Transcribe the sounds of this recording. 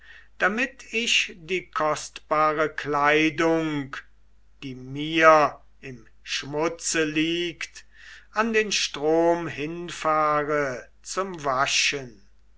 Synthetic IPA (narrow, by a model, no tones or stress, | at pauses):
d̥amɪtʰɪʃd̥iːkʰɔstb̥aːʁəklaɪdʊŋk | d̥iːmiːɐ | ɪm | ʃmʊt͡səliːkt | andeːnʃtʁ̥oːmhɪnfaːʁə | t͡sʊmvaʃən